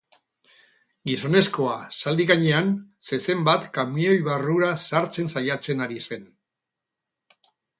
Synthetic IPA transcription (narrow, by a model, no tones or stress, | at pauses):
ɡiso̞ne̞sko̞asald̪iɣaɲe̞anse̞se̞mbat̪kamnio̞jβaruɾasaɾt͡se̞nsajat͡se̞naɾise̞n